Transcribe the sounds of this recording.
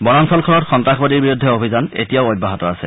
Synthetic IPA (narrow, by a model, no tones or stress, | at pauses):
bɔnansɔlkʰɔɹɔtxɔntaxbadiɹbiɹudʱːɛobʱizanḛtijaʊot̚baɦɔtɔasɛ̰